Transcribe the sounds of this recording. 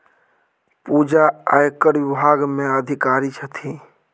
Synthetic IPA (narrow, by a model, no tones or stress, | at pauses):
pud͡ʒaajkəɾʋɪbʱaɡmẽəd̪ʱikaɾit͡ʃʰət̪ʰi